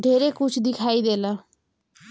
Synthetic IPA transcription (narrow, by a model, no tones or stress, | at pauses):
ɖʱeːɾeːkʊt͡ʃʰd̪ɪkʰaːiːd̪eːlaː